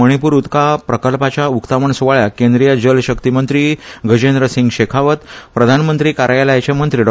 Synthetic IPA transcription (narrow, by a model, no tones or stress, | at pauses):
əɽ̃ipuːɾut̪kapɾəkəlpat͡ɕjaukt̪aʋəɳsʋaɭjakend̪ɾijəd͡ʑəlɕəkt̪imənt̪ɾiːɡʱəd͡ʑend̪ɾəsiŋɡɕekʰaʋət̪pɾəd̪ʱanmənt̪ɾiːkaɾjaləjt͡ɕemənt̪ɾiːɖ